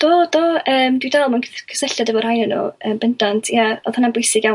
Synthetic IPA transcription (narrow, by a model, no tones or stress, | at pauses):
d̥oːdoːəːmdwidalˠmunkʰkʰə̥səɬjadəvɔrhajnənṵəːmbəndantʰjaɔðhʊnanbʊjsɪɡjaw